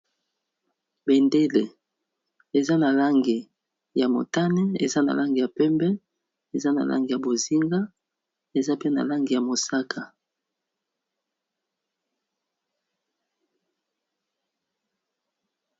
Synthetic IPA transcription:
be˨nde˦le˨ | e˨za˦na˨la˦ŋɡi˨ | ja˨mo̰˨ta˦nɛ˦ḛ˨za˦na̰˨la˦ŋɡi˨ja˨pɛ˦mbɛ˦ | e˨za˦na̰˨la̰˦ŋɡi˨ja˨bo˨zi˦ŋɡa˦ | e˨za˦pe˦na̰˨la˦ŋɡi˨ja˨mo˨sa˦kʰa˨

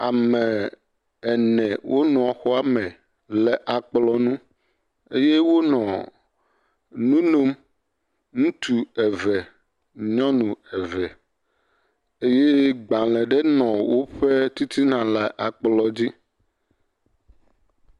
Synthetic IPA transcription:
a˨mɛ̃˨ | ɛ˨nɛ̃˨wʔo˦nɔ̃˨a˨xɔ˦a˦mɛ̃˨ | lɛ˨ʔa˨k͡plɔ˦nũ˦ | e˦je˦wo˦nɔ̃˨ | nũ˦lo˦m | nũ˦t̪u˨ɛ˨vɛ˨ | ɲɔ̃˦nũ˨ɛ˨vɛ˨ | e˦je˦ɡ͡ba˨lɛ̃˨ɖe˦nɔ̃˨wo˦ɸe˦t̪i˦t̪ʰi˦nã˨lɛ˨ʔa˨k͡plɔ˨d͡ʑi˦

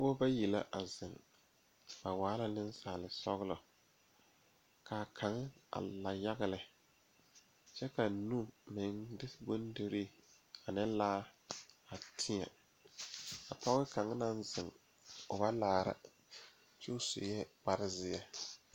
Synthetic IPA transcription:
bo˦ba˦ji˨la̰˦ʔa˨zɪ˨ŋ | ba˨waː˨˦la˨nɪ˦n˦saː˨lɪ˨sɔ˦ɣlɔ˨ | ka˨kʰa˨ŋ˦a̰˨la˨ja˦ɣɪ˦lɪ˨ | t͡ʃɛ˦ka˨nu˦mɪ˨ŋdɪ˦sbo˦n˦dɪ˦ɾi˦ | a˨nɛ˦laː˦a˨tʰɪ˦a̰˨ | a˨tɔ˦ɣɪ˦ka˨ŋ˦na˦n˦zɪ˨ŋ | ʊ˨ba˦laː˨ɾa̰˨ | t͡ʃu˦sʊ̰˨jɛ˦ba˦ɾɪ˦zɪ˦a˦

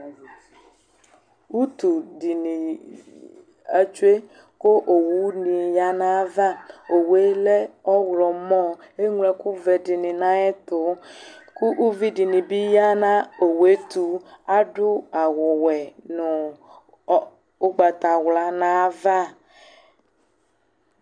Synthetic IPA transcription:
u˦t̪u˨ɖi˨ni˨ | a˦t͡ʃu˦e˦ | ko˦ʔo˨wu˦nĩ˨ja˦nã˦va˦o˨we˦lɛ˦ɔ˦wlɔ˨mɔ̃˦ | e˦ŋ˦lɛ˨ku˦vɛ˨dɪ˨nɪ̃˨nã˦ɛ˦t̪ʊ˨ku˦ʔu˦vi˦di˨nĩ˨bi˦ja˦nã˦o˨we˦t̪u˨a˦ɖʊ˦a˨wʊ˨wɛ˨nʊ˨˦ | o˦ɡ͡ba˨t̪a˨wla˨nã˦va˦˨

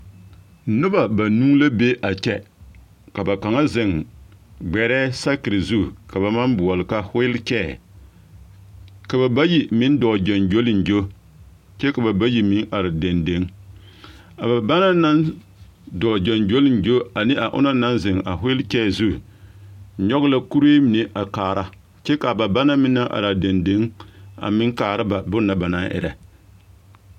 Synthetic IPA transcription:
nʊ˦ba˨ba˨nuː˦la˦be˦ʔa˨t͡ʃɛ˦ | ka˨ba˨ka˨ŋa˦zɪ˨ŋ | ɡ͡bɛ˨ɾɛː˦sa˦kɪ˨ɾɨ˨zu˦˨ka˨ba˨ma˦nbu˨ɔ˨lɨ˨ka˦hʊ˦ɪ˦lkɛː˦˨ | ka˨ba˨ba˦ji˨mɪ˦n˦dɔ˨d͡ʒɛ˨nd͡ʒo˦lɪ˨nd͡ʒo˦ | t͡ʃɛ˦ka˨ba˨ba˦ji˦mɪ˦ŋʔa˨ɾɪ˨de˨nde˦ŋ | a˨ba˨ba˦na˦na˦n | dɔː˨d͡ʒa˨nd͡ʒo˦lɪ˦nd͡ʒo˦a˨nɪ˦ʔa˨ʔʊ̰˦na˦na˦nzɪ˨ŋa˨ɦʊ˦lkɛː˦˨zu˦˨ | ɲɔ˦ɣɪ˦la˦ku˦ɾe˦mɪ˨ne˦ʔa˨kaː˨ɾa˦ | t͡ʃɛ˦ka˨ba˨ba˦na˦mɪ˦na˦ʔa̰˨ɾa˨da˨nde˦ŋa̰˨mɪ˦ŋkaː˨ɾɪ˦ba˨bʊ˦na˨ba˨na˦ʔɪ̰˨ɾa̰˨

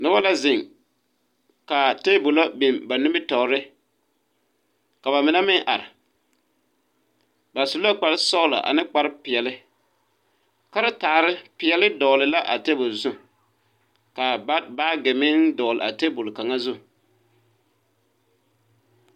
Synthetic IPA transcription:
nʊ˦ba˦la˦zɪ˨ŋ | ka˨te˦bʊ˨la˦bi˨mba˨nʊ˦bɪ˦tɔ˨ɾɪ˦ | ka˨ba˨mɪ˨na˦mɪ˦ŋʔa̰˨ɾɪ˨ | ba˨su˨la˦k͡pa˨ɾɪ˦sɔ˦la̰˨ʔa̰˨nɪ˦k͡pa˨ɾɪ˦pɪ˨ɛ˨lɪ˦ | ka˦ɾa˦taː˨ɾɪ˦pɪ˨ɛ˨lɪ˦dɔː˨lɪ˨la˦ʔa̰˨te˦bʊ˨lzʊ˦ | ka˨˦baː˦ɡɪ˨mɪ˦ndɔː˨lɪ̰˨a̰˨te˦bʊ˨lka˨ŋa˦zʊ˦˨

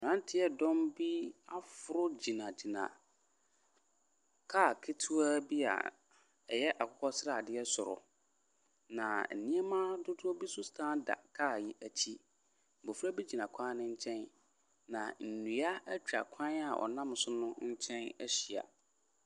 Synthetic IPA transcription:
nã˦n˦tʰɪ˦ɛ˨dɔ̃˦mbi˦a˦fʊ˨˦ɾʊ˦d͡ʑi˨nã˨d͡ʑi˨nã̰˨ | kʰa˦˨kʰɪ˦tʰu˦a˦bi˦a̰˨ | ɛ˨jɛ˦ʔa˨kʰɔ˦kʰɔ˦sɪ˦ɾa˦˨dɪ˦ɛ˦sʊ˨ɾʊ̰˨ | nã̰˨n̩˨nĩ˦ɛ˦mã˦dʊ˦dʊ˦ɔ˦bi˦sʊ˦stʰãː˦da̰˨kʰa˦˨ji˦ʔæ˨t͡ɕʰi˦˨ | bo˨fɾa˦bi˦d͡ʑi˨nã˨kʷʰã˦nɪ̃˦ɲ̩˦t͡ɕʰɛ̃˦n | nã̰˨n̩˨nũ˨a˦æ˦t͡ɕᶣɾa̰˨kʷʰã˦na˨ʔɔ̰˨nã˦m˦sʊ˦nʊ̃˦ɲ̩˦t͡ɕʰɛ̃˦næ˦ɕi˨a̰˨

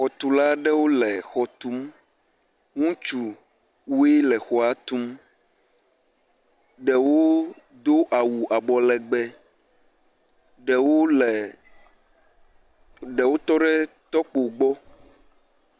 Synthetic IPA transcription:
xɔ˨t̪u˨la˦ɖɛ˦wo˦lɛ˨xɔ˨t̪u˦m | ŋũ˦t͡ʃu˨ | wu˦e˦lɛ˨xɔ˨a˨t̪u˦m | ɖɛ˨wo˦ | d̪o˦ʔa˨wu˨ʔa˨bɔ˨lɛ˨ɡ͡bɛ˦ | ɖɛ˨wo˦lɛ˨ | ɖɛ˨wo˦t̪ɔ˦ɖɛ˦ | t̪ɔ˦k͡po˨ɡ͡bɔ˦

